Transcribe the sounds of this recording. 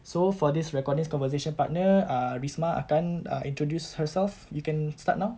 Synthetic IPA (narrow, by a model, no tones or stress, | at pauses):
sofɔdisɹɛkɔdniskɔ̃nvəs̬eʃɔ̃npat̚nəaɹismaʔa̰kãna̰ʔĩntɹodjushəsɛlfjukɛ̃nsta̰t̚naw